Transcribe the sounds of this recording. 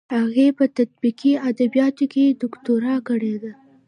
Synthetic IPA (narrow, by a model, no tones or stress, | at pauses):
haɣepət̪at̪̚biqiad̪abijɑt̪oked̪ʊkt̪oɾɑkəɽed̪a